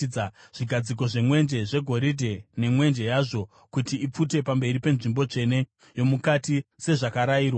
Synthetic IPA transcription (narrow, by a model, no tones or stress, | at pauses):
aʐ̥iɡʱad͡zik̬o̞ʐe̞mwe̞nd͡ʒe̞ʐe̞ɡʱo̞ɾidʱe̞ne̞mwe̞nd͡ʒe̞jaːʐo̞ | kutiip͡fute̞pambe̞ɾipe̞nʐimbo̞t͡ʂe̞ne̞ | jo̞mukatise̞ʐakaɾaiːrwa